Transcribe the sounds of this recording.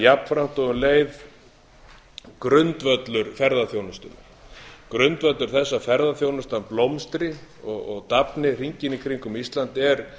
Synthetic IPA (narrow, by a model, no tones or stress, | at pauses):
japn̥fɾam̥t̪ɔʏnleːjð | kɾʏnt̪vœt̪lʏɾ̥fɛɾðaθjownʏst̪ʏna | kɾʏnt̪vœt̪lʏɾ̥θɛsːafɛɾðaθjownʏst̪aplowmst̪ɾɪɔɣɔɣt̪apnɪr̥iɲcɪnikʰɾiŋkʏmist̪lant̪ɛɾ̥